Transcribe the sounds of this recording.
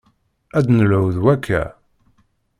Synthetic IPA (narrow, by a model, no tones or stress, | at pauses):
æd̪nəlhuðwækʰːæ̰